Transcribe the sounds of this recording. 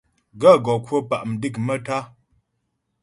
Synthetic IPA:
ɡə˦˨ɡɔ˨kwo˦pa˨ʔm̩˨di˦˨k̚mə˦ta˦

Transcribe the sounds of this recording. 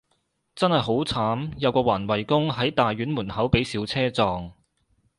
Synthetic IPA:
t͡sɐ˥nhɐ˨˩jɦo˨˥wt͡sʰaː˨˥mjɐ˨˧wkɔː˧waː˨˩nwɐ˨˩jkʊ˥ŋɦɐ˨˥jt̪aː˨jɥyː˨˥nmuː˨˩nhɐ˨˥wpe˨˥jsiː˨˥wt͡sʰɛː˥t͡sɔː˨ŋ

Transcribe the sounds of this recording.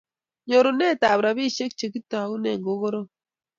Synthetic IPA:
ɲo˨ɾo˨ne˦˨ta˨bɾa˨bi˦˨ʃe˦k̚t͡ʃe˨ki˦ta˨u˦nḛ˨ŋɡo˨˦ɡo˦ɾo˦

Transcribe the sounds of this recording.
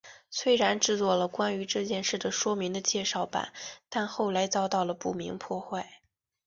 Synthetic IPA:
swe˥ɪɻa˧˥nʈ͡ʂɻ̩˥˧t͡swɔ˥˩lə˩kwa˥ny˧˥ʈ͡ʂɤ˥˧t͡ɕjɛ˥˧nʂɻ̩˥˩d̪ə˩ʂwɔ˥mi˧˥ŋd̪ə˧t͡ɕjɛ˥˧ʂɑ˥˩ʊpa̰˨˩˦nt̪a˥˧nxo˥˩ʊla˧˥ɪt͡sɑ˥ʊt̪ɑ˥˩ʊlə˩pu˥˩mi˧˥ŋpʰwɔ˥˧xwa˥˩ɪ

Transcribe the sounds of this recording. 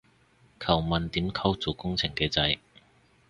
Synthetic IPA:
kʰɐ˨˩wmɐ˨nt̪iː˨˥mkʰɐ˥wt͡so˨˩kʊ˥ŋt͡sʰɪ˨˩ŋkɛː˧t͡sɐ˧j

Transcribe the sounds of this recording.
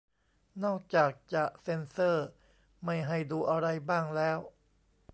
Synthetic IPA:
nɔː˥˩k̚t͡ɕaː˨˩k̚t͡ɕa˨˩ʔse˧nsɤː˥˩ | ma˥˩jɦa˥˩jduː˧ʔa˧ɾa˧jbaː˥˩ŋlɛː˦˥w

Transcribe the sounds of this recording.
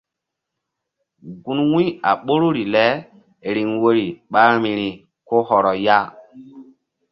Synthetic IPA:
ɡu˦nwi˦a˨ɓo˦ɾu˦ɾi˨lɛ˦ | ɾi˨ŋwo˦ɾi˨ɓa˦ɾmi˨ɾi˨ | ko˦hɔ˨ɾɔ˨ja˦

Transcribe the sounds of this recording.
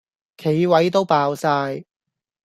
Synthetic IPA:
kʰe˨˥jwɐ˨˥jt̪o˥wpaː˧wsaː˧j

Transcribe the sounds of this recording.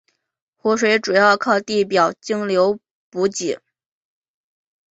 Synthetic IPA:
xu˧˥ʂ̬we˧˥ɪʈ͡ʂu˨˩jɑ˥˧ʊkʰɑ˥˧ʊt̪i˥˩pjɑ˨˩ʊt͡ɕi˥ŋljo˧˥ʊ | pu˧˥t͡ɕi˨˩˦

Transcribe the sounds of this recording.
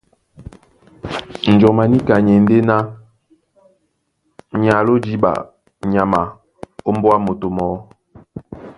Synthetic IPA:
n̩˨d͡ʒɔ˨ma˨ni˦ka˨ɲe˨n̩˦de˦na˦ | ɲa˨lo˦d͡ʒi˦ɓa̰˨ | ɲa˨ma˨ | o˦m˦bwa˦mo˨to˨mɔ˨˦

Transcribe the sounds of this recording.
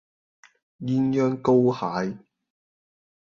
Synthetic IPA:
jiː˧njœː˥ŋko˥whaː˨˥j

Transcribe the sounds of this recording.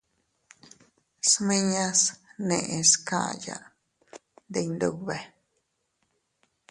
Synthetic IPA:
smĩ˦ɲã˦snẽ˧˨ʔe˧ska̰˦˨ja̰˧ | nd̪e˧nd̪u˧βe˨

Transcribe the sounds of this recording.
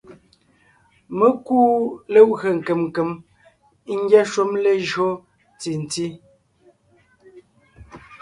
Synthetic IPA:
mə˦kuː˦lə˦ʔɣə˨ŋ̩˨ke˨mŋ˨ke˨m˦ | ŋ̩˦ɡjɛ˦ʃu˦mle˦ʒɰo˦ | ti˨n̩˨ti˦

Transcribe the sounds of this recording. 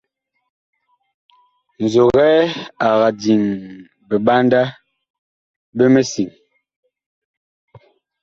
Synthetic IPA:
n̩˨zo˨ɣɛː˦a˨ɣa˨di˨ŋ | be˨ɓa˦nda˦ | be˦me˦si˨ŋ

